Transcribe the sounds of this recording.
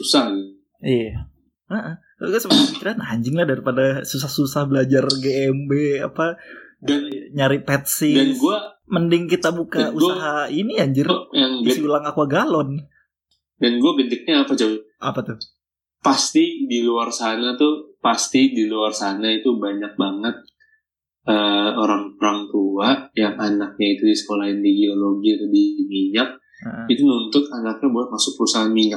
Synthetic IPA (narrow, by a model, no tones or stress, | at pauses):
usa | ia | əʔə | kalɡasəmapikiɾanaɲd͡ʒɪŋlahdaɾipadasus̬ahsusahbəlad͡ʒarɡeɛmbea̰padanɲaɾipɛt̪̚sɪdanɡua | məndɪŋkit̪abukaausaɦainiaɲd͡ʒɪrjaŋɡsiulaŋakuaɡalɔn | danɡuaɡənd̪ɪk̚ɲaːpad͡ʒaw | ʔa̰pat̪ʊr | past̪idiluarsanat̪upast̪idiluarsanait̪ubaɲak̚baŋət̪̚ | əoɾaŋoɾaŋt̪uajaŋanak̚ɲait̪udisə̥kolaɪndiɡioloɡilubimiɲak̚ | it̪ununt̪ʊt̪anak̚ɲabolɛhmasʊk̚pəɾusaɦanmiɲak̚